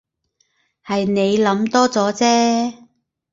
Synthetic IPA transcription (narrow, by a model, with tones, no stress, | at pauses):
hɐ˨jne˨˧jlɐ˨˥mt̪ɔː˥t͡sɔː˨˥t͡sɛː˥